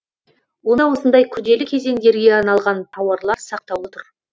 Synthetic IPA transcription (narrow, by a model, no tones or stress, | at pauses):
wo̞nəwo̞sənd̪ɑjkʲʰʏd̪e̞lɪkʲʰe̞ze̞ŋd̪e̞ɾɡʲe̞ɑnɑlˠʁɑnt̪ʰɑwɑɾlˠɑɾsɑq̚t̪ɑwwo̞t̪əɾ